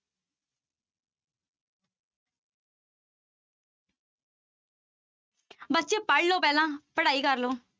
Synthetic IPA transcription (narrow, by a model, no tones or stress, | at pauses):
bətːt͡ʃeːpəɽloːpɛːlãːpəɽaːiːkəɾloː